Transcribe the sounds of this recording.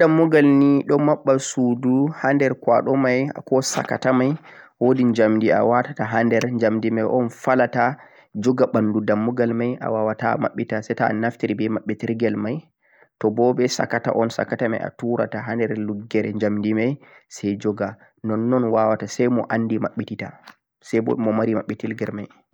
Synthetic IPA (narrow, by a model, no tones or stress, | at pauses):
damːuɡalniɗɔmaɓːasuduhandɛɾkwa̰ɗɔmaja̰kɔsa̰ka̰tamajwodiɲd͡ʒamdia̰watataɦandɛɾɲd͡ʒamdimajʔɔnfalata | d͡ʒɔɡaɓandudamːuɡalmajʔa̰wawata̰ma̰ɓːitasɛtanaftiɾibɛmaɓːɛtiɾɡɛlmaj | tɔbɔbɛsa̰kata̰ʔɔnsa̰katama̰ja̰tuɾa̰taɦandɛɾluɡːɛɾɛɲd͡ʒamdimajsɛjd͡ʒɔɡa | nɔnːɔnwawatasɛjmɔʔanːdimaɓːitita̰ | sɛbɔ̰mɔmaɾimaɓːɛtiɾɡɛɾmaj